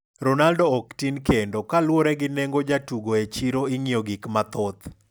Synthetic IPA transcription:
ɾɔnaldoːktinkendokalwɔɾɛɡɪnɛŋɡod͡ʒatuɡoet͡ʃiɾoiŋioɡɪkmat̪ɔt̪

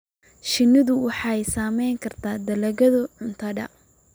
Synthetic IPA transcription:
ʃɪnːɪðʊwɑħɑɛjsaːmɛjŋkʰɐrt̪ʰaːd̪ɐlɐɣɐðʊʕʊnt̪ʰɐɖɐ̰

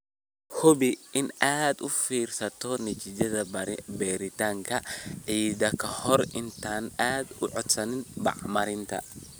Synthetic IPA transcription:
hɔbɪɪnaːd̪ʊfiːrsɐt̪ʰɔnɪt͡ʃɪd͡ʒɐðɐbɛːɾɪt̪aːŋkʰɐʕiːd̪ɐkʰɐhɔrʔɪnt̪ʰaːnaːd̪ʊʕɔd̪sɐnɪnbɑ̰ʕmɐɾɪnt̪ʰɐ̰

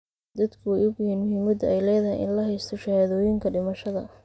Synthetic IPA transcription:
d̪ɐd̪kʰʊwɛjʊɡjhiːnmʊhiːmɐd̪ɛjlɛːðɐhɪ̰jʔɪ̰nlɐɦɛjst̪ʰɔʃɐhaːðɔːjɪŋkʰɐɖɪmɐʃɐðɐ̰

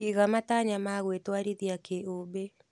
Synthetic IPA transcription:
iɣamataɲamaɣwetwaɾiðjakeʔobe

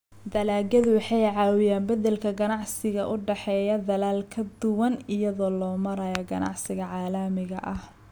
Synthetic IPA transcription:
d̪ɐlaːɡɐðʊwɑħɑjʕɑːwɪjaːmbɐðɛlkʰɐɡɐnɑʕsɪɣɐʔʊɖɛħɛːjɐd̪ɐlaːlkʰɐd̪ʊwɐnɪjɐðɔːlɔːmɐɾɐjɐɡɐ̰nɑ̰ʕsɪɣɐʕɑːlɐmɪɣɐ̰ʔɐh

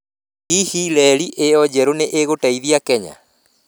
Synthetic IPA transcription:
ihilɛɾiʔeɔd͡ʑɛɾoneʔeɣotaiðiakɛɲa̰

